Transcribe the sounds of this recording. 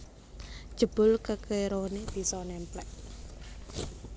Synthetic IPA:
ʒ̥ə̤b̥ʊ̤lkəkəɾoneb̥i̤sɔnɛmplɛk̚

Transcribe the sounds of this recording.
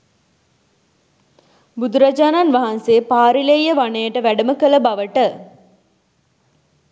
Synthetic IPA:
bud̪uɾad͡ʒaːnanʋaɦanseːpaːɾilejːəʋanejəʈəʋæɖəməkələbaʋəʈə

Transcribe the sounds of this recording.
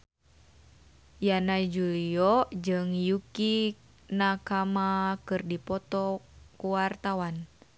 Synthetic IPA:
janad͡ʒuliɔd͡ʒɨŋjuki | nakamakɨrdipɔt̪ɔkuwart̪awan

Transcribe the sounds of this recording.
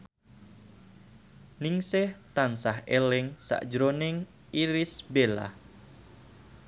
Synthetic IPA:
niŋsɛht̪ansahelɛŋsa̰ʔd̥d͡ʒɾonɪŋ | iɾisbela̰h

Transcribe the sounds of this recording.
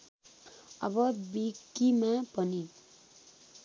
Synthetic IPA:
ə̰bʌbikːimẽpəni

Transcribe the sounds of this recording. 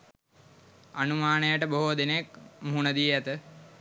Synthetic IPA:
ɐnumaːnəjəʈəboɦod̪enəjkmuɦunəd̪ijəjæt̪ə

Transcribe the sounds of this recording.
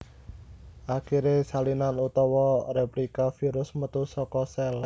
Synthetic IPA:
ʔakiɾesalinanut̪ɔwɔreplikafiɾʊsmət̪usɔkɔsɛl

